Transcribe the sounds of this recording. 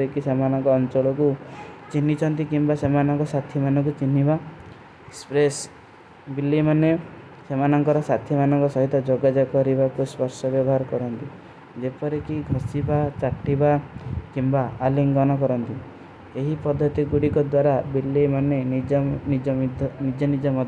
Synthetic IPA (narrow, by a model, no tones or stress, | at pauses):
ɾekisemanɔŋkɔːnt͡ʃɔɭɔkut͡ʃinːit͡ʃʰɔnt̪ikimbasemanɔŋkɔsat̪ʰjimanɔŋkut͡ʃinːiba | spɾes | bilːimane | semanɔŋkɔɾɔsat̪ʰimanɔŋkɔsɔɦit̪ɔd͡ʒɔɡad͡ʒakɔɾibakuspɔɾsɔbjɔbɔɦaɾɔkɔɾɔnt̪i | d͡ʒepɔɾekiɡʱɔsibat͡ʃaʈːibakimbaːliŋɡɔnɔkɔɾɔnt̪i | eɦipɔd̪ʱːɔt̪iɡuɽikɔd̪waɾabilːimanenid͡ʒnid͡ʒɔd̪ʱnid͡ʒɔnid͡ʒɔmɔd̪ʱ